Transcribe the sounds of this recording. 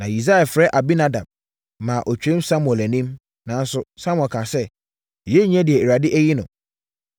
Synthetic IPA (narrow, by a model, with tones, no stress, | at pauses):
nã˨i˨s̬a˦ɛ˨fɾɛ˦ʔa˨bi˦na˦da˨b̚ | mãː˨ʔɔ˨t͡ɕᶣɛ̃˦msa˦mʊ̃˨ɛ˨læ˨nĩ˦m | nã˨˦n̩˦sʊ˦sa˦mwɛ˨kʰã˨sɛ˦˨ | jɛ˦ɲ˦ɛ̃˦dɪ˨ɛ˨e˨ɾa˨dɪ˦ʔæ˦ji˦nʊ̃˨